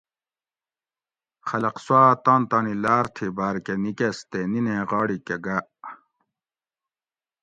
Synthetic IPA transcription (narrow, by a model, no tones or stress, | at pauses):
xɐlɐqswaːt̪ɑ̃ːnt̪ɑːnilaːɾt̪ʰibaːɾkenikest̪enineʁɑːɽikeɡaʔ